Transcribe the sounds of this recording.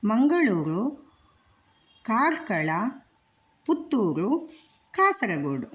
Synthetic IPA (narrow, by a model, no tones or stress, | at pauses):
mɐŋɡɐɭuːɾu | kaːɾkɐɭɐ | put̪ːuːɾu | kaːsɐɾɐɡoːɖu